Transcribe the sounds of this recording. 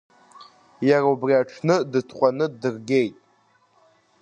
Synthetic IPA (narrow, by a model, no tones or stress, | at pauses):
jaraubriaʈ͡ʂʰnɨdɨtʰqʷʼanɨdɨrɡʲe̞jtʼ